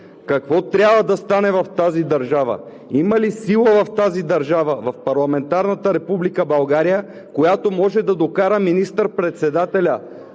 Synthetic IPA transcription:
kɐkvɔt̪ɾʲabvəd̪ɐst̪anɛvɐft̪azid̪ɐɾʒavə̰ | imɐlisilˠəvɐft̪azid̪ɐɾʒavəvɐfpɐɾlˠɐmɛnt̪aɾnɐt̪əɾɛpublikəbɐlˠɡaɾijə | kojat̪omɔʒɛd̪ɐd̪okaɾəminist̪əɾpɾɛt̪sɛd̪at̪ɛlʲə

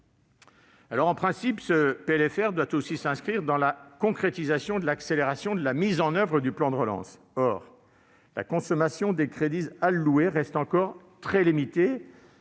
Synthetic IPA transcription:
alɔʁɑ̃pχɛ̃sipsəpeɛlɛfɛʁd̪wat̪osisɛ̃skχiʁd̪ɑ̃lakɔ̃kχet̪izasjɔ̃d̪əlakseleʁasjɔ̃d̪əlamizɑ̃nœvʁəd̪yplɑ̃d̪əʁəlɑ̰̃s | ɔʁ | la̰kɔ̃sɔmasjɔ̃d̪ekχed̪izalːueʁɛst̪ɑ̃kɔʁ | t̪χɛlimit̪e

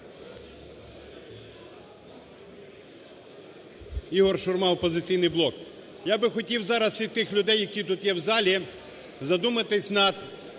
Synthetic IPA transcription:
iɦɔrʃʊrmɑw̪ˠpɔzɪt͡sʲijnɪjblˠɔk | jabɪxɔtʲiwzɑɾɐsʲit̪ɪxlʲʊd̪ɛjːɐkʲit̪ut̪jɛwzɑlʲi | zɐd̪umɐt̪ɪsʲnɐd̪

